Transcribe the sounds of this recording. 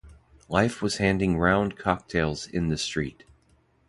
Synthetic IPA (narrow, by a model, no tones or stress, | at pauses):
laɪfwʌz̥hæ̃ndɪ̃ŋɹãʊ̃nkʰɑk̚tʰeɪlˠzɪ̰̃nðɨstɹ̥it̚